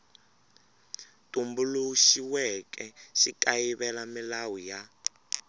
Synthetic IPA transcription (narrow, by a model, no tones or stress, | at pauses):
tʼumbuluʃiwɛkɛʃikʼajiβɛlamilawija